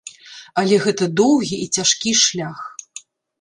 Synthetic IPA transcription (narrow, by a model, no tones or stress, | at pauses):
ɐlʲɛɣɛt̪ɐd̪ɔwɣʲiʔit͡sʲaʂkʲiʂlʲax